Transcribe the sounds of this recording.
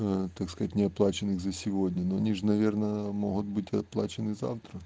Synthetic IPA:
t̪akskɐzatʲnʲɪɐplˠat͡ɕɪnɨɣzɐsʲɪvo̞dʲnʲɐnoɐnʲiʐɨnɐvʲernəmoɦʊt̪̚bɨtʲɐ̰plˠa̰t͡ɕɪnɨza̰ft̪ɾə

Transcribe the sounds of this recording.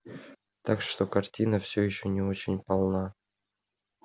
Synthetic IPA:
t̪akʂt̪okartʲinəfsʲojɪɕːonʲɪot͡ɕɪnʲpɑlˠnɑ

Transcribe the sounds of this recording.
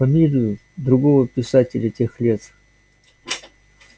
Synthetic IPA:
fɐmʲilʲɪjʊ | d̪ɾʊɡovəpʲɪsatʲɪlʲətʲexlʲet̪

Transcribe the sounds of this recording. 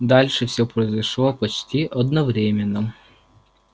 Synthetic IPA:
d̪ɑlʲʃɛwsʲɔpɾɔzʲɐʃlˠɔpɔt͡ʃtʲiʔɔd̪nɔʋɾʲɛmʲenːɔ

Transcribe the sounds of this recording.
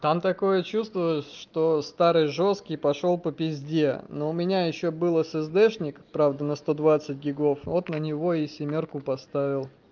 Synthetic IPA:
t̪amt̪ɐko̞jət͡ɕust̪vʊlˠəsʲʂt̪o̞st̪aɾɨjʐo̞skʲɪjpɐʂo̞lˠpəpʲɪzʲdʲenoʊmʲɪnʲajɪɕːobɨlˠəsɨzd̪ɛʂnʲɪkpɾavd̪ənəst̪o̞d̪vat̪sɨt̚ʲɡʲɪɡo̞fot̪nənʲɪvo̞ɪsʲɪmʲorkʊpɐst̪avʲɪlˠ

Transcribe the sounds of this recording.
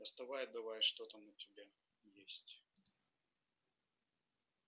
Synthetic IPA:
ɐst̪ɐvajɪd̪ɐvajʂt̪ot̪ɐmʊtʲɪbʲa | jesʲtʲ

